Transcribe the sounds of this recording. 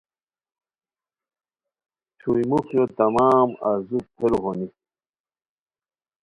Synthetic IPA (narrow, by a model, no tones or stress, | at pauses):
t͡ɕʰuimukjod̪ɐmaːmazupʰeɾuɦoni